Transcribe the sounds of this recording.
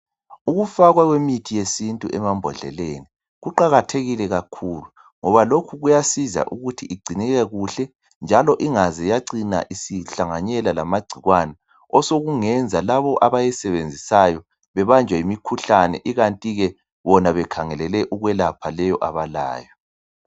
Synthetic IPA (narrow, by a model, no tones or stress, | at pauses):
uɣufaɣwaɣwemitʰijesintʼuʔɛmambʱɔɮɛ̰leːni | ɣuǃaɣatʰeɣilɛɣakʰulu | ŋɔβalokʰuɣujasiza̰ʔuɣutʰiʔiɡ͡ǀʱiniɣɛɣuɬɛ | nd͡ʒʱalɔʔiŋazɛjaǀina̰ʔisiɬaŋaɲɛlala̰maɡ͡ǀʱiɣwanɛ | ɔsoɣuŋɛnd͡zʱalaβɔʔaβajɛsɛβend͡zʱisajɔ | βɛβand͡ʒʱwaimikʰuɬanɛ̰ʔiɣantʼiɣɛ | βɔnaβɛkʰaŋɛlɛlɛʔuɣwɛlapʰalɛjɔʔaβala̰ːjɔ